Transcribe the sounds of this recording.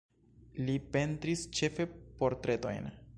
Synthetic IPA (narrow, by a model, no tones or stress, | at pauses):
lipe̞ntɾist͡ʃe̞fe̞po̞ɾtɾe̞to̞̰jn